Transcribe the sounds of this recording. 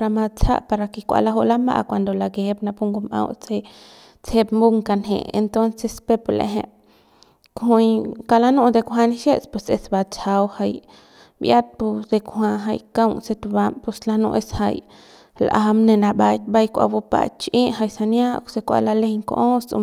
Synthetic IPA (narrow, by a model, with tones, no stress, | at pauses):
ɾa˧ma˧t͡sa̰˦ʔpa˧ɾa˧ki˧kʷa̰˧la˧˦ɦo˧ʔla˦mba̰˧ʔkʷa˨nd̪o˨la˧ɡe˨bna˧pu˦ŋɡu˧mã̰˧wt͡se˧ | t͡se˧pmbu˦ŋka˧nɦḛ̃˨ḛ˧nt̪o˦nse˧spe˧polḛ˧ɦḛ̃˧ | khu˧jka˧la˦nũ˧ʔd̪e˧kʷɦa˧ni˦ʃe˦t͡spwe˧sḛ˧sba˧t͡ʃa˧wha˧j | bja˦t̪̚pu˧d̪e˧khʷa˧ɦa˧jka˦wnse˧t̪u˧ba˧mpu˧sla˧nṵ̃˧ʔe˧sha˧j | lʔa˧mne˧na˧ba˧jt̪̚ba˧jkʷa̰˧bu˧pa̰˧t͡ʃʔi˦ʔɦa˧jsa˧nja˦se˧kʷa̰˧la˧le˧jŋko̰˧ʔo˦sṵ˧